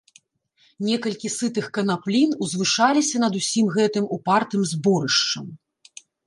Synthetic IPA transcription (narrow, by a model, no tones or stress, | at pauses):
nʲɛkɐlʲkʲisɨt̪ɨxkɐnaplʲinuzvɨʂalʲisʲɐnɐd̪usʲimɣɛt̪ɨmupart̪ɨmzbɔɾɨʂt͡ʂɐm